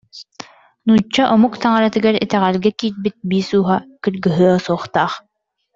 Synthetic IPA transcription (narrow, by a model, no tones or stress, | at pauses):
nuːt͡ɕːaʔɔmukt̪ɑŋɑɾat̪iɡɛɾḭt̪ɛʁɛlɡɛkiːt̪̚bit̪̚biːsuːɦakylɡɯɦɯsɔːχt̪aːχ